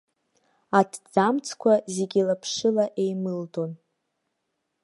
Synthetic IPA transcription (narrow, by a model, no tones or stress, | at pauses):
adʰd͡zamt͡sʰkʷʰazeɡʲilapʰʂɨlaʔejmɨltʰo̞n